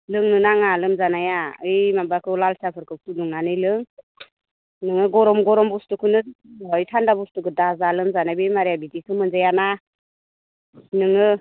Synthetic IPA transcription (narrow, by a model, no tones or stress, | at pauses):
lɯŋnɯnaŋalɯmzanajaɯjmabakʰɯlalsapʰɯɾkʰɯw̚tuduŋnanɯjlɯŋ | nɯŋɯɡɔɾɔmɡɔɾɔmbustukʰɯnɯɔjtʰandabustukʰɯdazalɯmzanajbemaɾejabidikʰɯmɯnzajana | nɯŋɯ